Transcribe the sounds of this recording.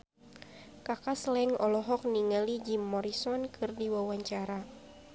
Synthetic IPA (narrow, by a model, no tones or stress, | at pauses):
kakaslɛŋɔlɔɦɔk̚niŋalid͡ʒimːɔɾisɔnkʰɨrdiwawaɲt͡ʃaɾa